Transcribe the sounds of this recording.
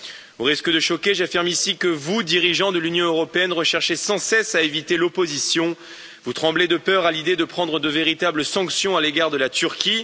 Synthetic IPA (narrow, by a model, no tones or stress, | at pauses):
ũʁiskəd̪əʃɔkʲeʒafiʁmisikəvud̪iʁiʒɑ̃d̪əlynjɔ̃øʁɔpeɛnʁəʃɛʁʃesɑ̃sɛsaevit̪elopozisjɔ̃ | vut̪χɑ̃bled̪əpœʁalid̪ed̪əpχɑ̃d̪ʁəd̪əveʁit̪abləsɑ̃ksjɔ̃aleɡaʁd̪əlat̪yʁkʲi